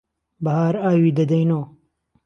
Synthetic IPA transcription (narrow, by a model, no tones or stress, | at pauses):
bɐɦaːɾaːwiːd̪ɐd̪ɐjnoː